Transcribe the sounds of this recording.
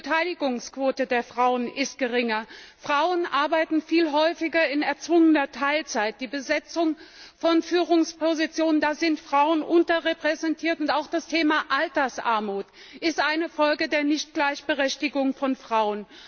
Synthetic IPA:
ətʰaɪlɪɡʊŋskv̥oːtədeːɐfʁ̥aʊənʔɪst̚ɡ̥əʁɪŋɐfʁ̥aʊənʔaɐbaɪtn̩fiːlɦɔʏfɪɡɐɪnɛɐt͡sv̥ʊŋənɐtʰaɪlt͡saɪt̚d̥iːbəzɛt͡sʊŋfɔnfyːʁ̞ʊŋspʰozit͡sjoːnəndaːzɪntfʁ̥aʊənʔʊntɐʁepʁ̥ɛzɛntʰiːɐtʊntaʊxd̥astʰeːmaʔaltɐsʔa̰ɐmuːt | ʔɪstʔaɪnəfɔlɡədeːɐnɪçt̚ɡ̥laɪçb̥əʁɛçtɪɡʊŋfɔnfʁ̥aʊən

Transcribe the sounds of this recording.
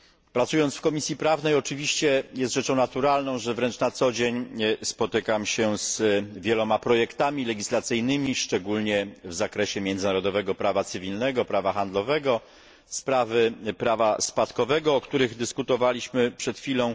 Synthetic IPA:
pɾat̪sujɔnt̪sfkɔmʲisʲjipɾavnɛjɔt͡ʂɘvʲiɕt͡ɕɛjɛst̪ʐɛt͡ʂɔ̃w̃nat̪uɾalnɔ̃w̃ʐɛvɾɛnt͡ʂnat̪sɔd͡ʑeɲspɔt̪ɘkamɕɛzvʲjɛlɔmapɾɔjɛkt̪amʲilɛɡʲislat̪sɘjnɘmʲiʂt͡ʂɛɡulɲɛvzakɾɛɕɛmʲjɛnd̪zɘnaɾɔd̪ɔvɛɡɔpɾavat̪sɘvʲilnɛɡɔpɾavaxand̪lɔvɛɡɔ | spɾavɘpɾavaspat̪kɔvɛɡɔːkt̪uɾɘɣd̪ɘskut̪ɔvalʲiɕmɘpʂɛt̪xʲilɔ̃w̃

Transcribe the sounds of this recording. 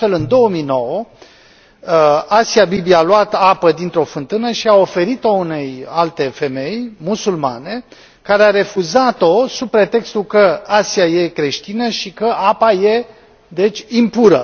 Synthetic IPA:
fe̞lɨnd̪o̞wəmijno̞wə | asiabibialuat̪apəd̪int̪ɾo̞fɨnt̪ɨnəʃiao̞fe̞ɾit̪o̞une̞jalt̪e̞fe̞me̞jmusulma̰ne̞ | kaɾeaɾe̞fuzat̪o̞supɾe̞t̪e̞kst̪ulkəasiaje̞kɾe̞ʃt̪inəʃikəʔapaje | d̪e̞t͡ʃʲimpuɾə

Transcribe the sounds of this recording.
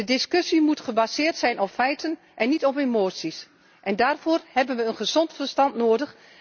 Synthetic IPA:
dədɪskøsimutχəbazɪːrtsɛjnʔɔpfɛjtʰən | ʔɛnːitɔpemoːtsis | ʔɛndaːrv̥oːrhɛbənʋəənχəz̥ɔntfərstɑntnoːdəχ

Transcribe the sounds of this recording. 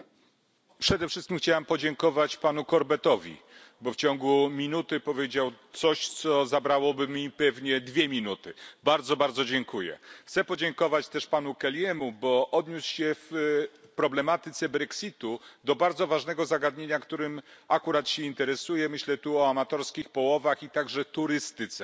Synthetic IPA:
pʂɛd̪ɛfʂɘst̪kʲimxt͡ɕawampɔd͡ʑɛŋkɔvat͡ɕpanukɔɾbɛt̪ɔvʲḭbɔft͡ɕɔŋɡumʲinut̪ɘpɔvʲjed͡ʑawt̪sɔɕt̪sɔzabɾawɔbɘmʲipɛvɲɛd̪vʲjɛmʲinut̪ɘbaɾd̪zɔbaɾd̪zɔd͡ʑɛŋkujɛ̰xt̪sɛpɔd͡ʑɛŋkɔvat͡ɕt̪ɛʂpanukɛljɛmubɔʔɔd̪ɲusɕɛfpɾɔblɛmat̪ɘt̪sɛbɾɛksʲit̪ud̪ɔbaɾd̪zɔvaʐnɛɡɔzaɡad̪ɲeɲakt̪uɾɘmakuɾat̪ɕɛint̪ɛɾɛsujɛmɘɕlɛt̪uɔamat̪ɔɾskʲixpɔwɔvaxit̪aɡʐɛt̪uɾɘst̪ɘt̪sɛ

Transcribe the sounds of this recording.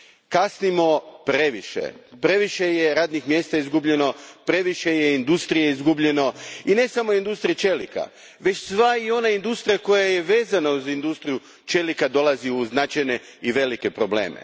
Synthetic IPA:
kasnimo̞pɾe̞ʋiʃḛpɾe̞ʋiʃejeɾaːd̪nixmje̞ːst̪aizɡubʎe̞no̞pɾe̞ʋiʃe̞jeind̪ust̪ɾijeizɡubʎe̞no̞ine̞samo̞ind̪ust̪ɾijet͡ʃe̞lḭka̰ | ʋe̞t͡ɕsʋaio̞naind̪ust̪ɾijako̞jaje̞ʋe̞ːzanauzind̪ust̪ɾiju | t͡ʃe̞likad̪o̞lˠaziuznat͡ʃajne̞ | iʋe̞like̞pɾo̞ble̞̰ːmḛ

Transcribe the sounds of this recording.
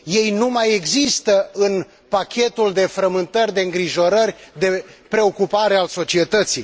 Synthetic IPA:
je̞jnumaje̞ɡzist̪əɨn | pakʲe̞t̪uld̪e̞fɾəmɨnt̪ərʲd̪e̞ɨŋɡɾiʒo̞ɾərʲd̪e̞pɾe̞o̞kupaɾe̞also̞t͡ʃie̞t̪ət̪si

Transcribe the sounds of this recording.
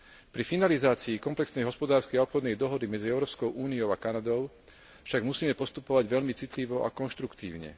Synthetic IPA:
pɾifinalizaːt͡siːkɔmplɛksnɛjɦɔspɔd̪aːɾskɛjaɔpxɔd̪nɛjd̪ɔɦɔd̪imɛd͡ziɛʊɾɔːpskɔʊʔuːniɔʊakanad̪ɔʊ | fʃaɡmusiːmɛpɔst̪upɔʋaɟʋɛʎmit͡sit̪liʋɔʔa̰kɔnʃt̪ɾukt̪ḭːʊɲɛ̰

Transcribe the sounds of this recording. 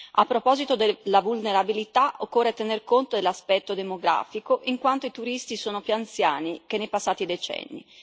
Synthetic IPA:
apːɾopɔzit̪od̪elːavulneɾabilit̪aʔokːoːrːet̪enerkont̪od̪elaspɛt̪ːod̪emoɡɾa̰ːfikoʔiŋkwant̪oit̪uɾist̪isoːnopjuant̪sjaːnikenːejpasːaːt̪id̪et͡ʃɛ̰nːḭ

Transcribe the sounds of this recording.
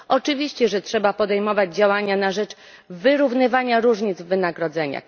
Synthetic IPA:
ʔɔt͡ʂɘvʲiɕt͡ɕɛʐɛtʂɛbapɔd̪ɛjmɔvad͡ʑd͡ʑawaɲanaʐɛt͡ʂ | vɘɾuvnɘvaɲaɾuʐɲid̪zvːɘnaɡɾɔd̪zɛɲa̰

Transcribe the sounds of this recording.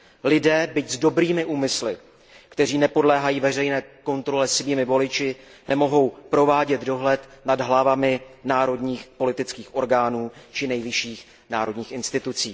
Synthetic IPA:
lɪdɛːbɪczdo̞bɾiːmɪʔuːmɪslɪ | kt̪ɛr̝iːnɛpo̞dlɛːɦajiːvɛr̝ɛjnɛːko̞nt̪ɾo̞lɛsɪviːmɪvo̞lɪt͡ʃɪ | nɛmo̞ɦo̞wpɾo̞vaːɟɛd̪do̞ɦlɛt̪nadɦlavamɪnaːɾo̞dɲiːxpo̞lɪt̪ɪt͡skiːxʔo̞ɾɡaːnuːt͡ʃɪnɛjvɪʃiːx | naːɾo̞dɲiːxɪnst̪ɪt̪ut͡siː

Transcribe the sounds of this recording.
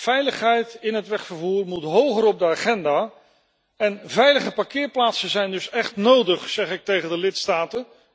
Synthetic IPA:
fɛjləχɦɛjtɪnɦətʋɛχfəɹvuːɹmutɦowχəɾɔb̚dəaːχɛndaː | ɛnvɛjləχəpakɪːɹplaːtsəzɛjndɵsɛχtnowdəχsɛχɪk̚tejχəndəlɪtstaːtən

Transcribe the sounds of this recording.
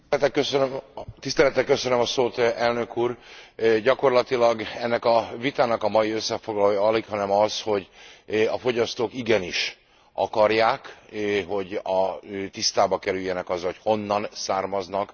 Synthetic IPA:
t̪ɛkøsønømt̪ist̪ɛlɛt̪ɛkːøsønømɒsoːt̪ɛlnø̞kuːrɟɒko̞rlɒt̪ilɒɡɛnːɛkɒvit̪aːnɒkɒmɒjiø̞sːɛfo̞ɡlɒloːjɒlikhɒnɛmɒsho̞ɟɒfo̞ɟɒst̪oːkiɡɛniʃ | ʔɒ̰kɒrjaːkɦo̞ɟɒt̪ist̪aːbɒkɛɾyjːɛnɛkɒzːɒlocho̞nːɒnsaːrmɒznɒk

